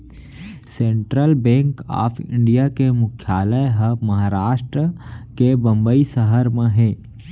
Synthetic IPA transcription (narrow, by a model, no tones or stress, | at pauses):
sẽːɳʈɾəlbɛ̃ːŋka̰ːpʰɪ̰̃ɳɖijakemʊkʰjaːləjɦəmɐɦaːɾaːʃʈɾəkebɐ̃mbəisəɦəɾmẽɦɛː